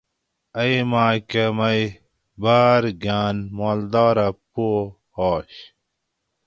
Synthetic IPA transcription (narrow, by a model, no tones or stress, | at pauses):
ɐjmãːkɐmɐj | baːɾɡaːnmoːld̪aːɾɐpo | hoːɕ